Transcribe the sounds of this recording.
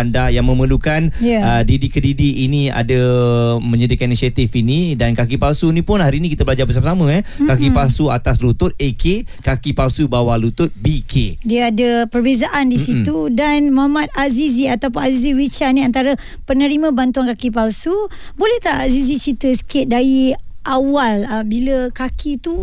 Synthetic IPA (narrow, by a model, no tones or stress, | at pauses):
andahjaŋmə̃məlukanjaədidikədidiːnia̰dəmə̃ɲədikaninisiat̪ifinidankakipalsunĩpʊnhaɾinikit̪abəlad͡ʒabəs̬amasamə̃ɛkakipalsuat̪aslut̪ʊt̪̚ekʰekakipalsubawalut̪ʊt̪̚bikʰediəadəpərbezaʔandisit̪udanmaamat̪̚aziziat̪awp̬ʊnaziziwit͡ʃaniant̪aɾə | pənəɾimãbant̪uankakip̬alsu | bolɛht̪aazizit͡ʃɾit̪əsə̥kɪt̪̚daiʔawalabiləkakʰit̪u